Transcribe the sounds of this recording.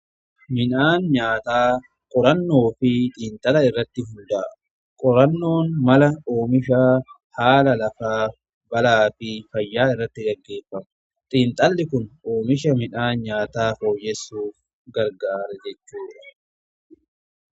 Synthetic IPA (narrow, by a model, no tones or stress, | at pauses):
mɪnaːnɲaːt̪aː | kʼɔɾɐnːo̞ːfɪt̪ʼiːnt̪ʼɐlɐɪrːɐt̪ːɪɦʊnd̪aː | kʼɔɾɐnːo̞ːnmɐlɐoːmɪʃa | haːlɐlɐfaː | bɐlaːfɪfɐjːaːɪrːɐt̪ːɪɡɐɡːe̞ːfːɐmɐ | t̪ʼiːnt̪ʼɐlːɪkʊnoːmɪʃɐmɪnaːnɲaːt̪aːfo̞ːjːɛsːuːf | ɡɐɾɡaːɾɛd͡ʒɛt͡ʃːuːᶑɐ̥